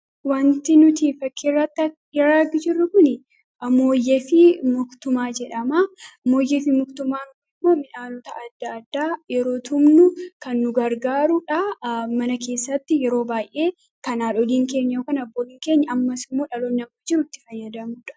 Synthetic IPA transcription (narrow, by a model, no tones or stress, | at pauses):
want̪ɪnʊt̪iːfɐkːirːɐt̪ːɐ | ɾaɡɪd͡ʒɪrːʊkʊnɪ | ʔɐmo̞ːjːɛfɪmʊkt̪ʊmaːd͡ʒɛᶑɐmaːmo̞ːjɛfɪmʊkt̪ʊmaːnkʊɪmːo̞ːmɪnaːlɔt̪ɐɐd̪ːɐːd̪ːaːjɛɾo̞ːt̪ʰʊmnʊkɐnːʊɡɐɾɡaːɾʊᶑɐmɐnɐke̞ːsːɐt̪ːɪjɛɾo̞ːbaːjʔeː | kɐnaːlɔliːŋke̞ːɲːɐjoːkɐnɐbːoːlɪŋke̞ːɲːɐɐmːɐsɪmːoːᶑɐloːnːɐmɐd͡ʒɪɾʊt̪ːɪfɐjːɐd̪ɐmʊᶑɐ̥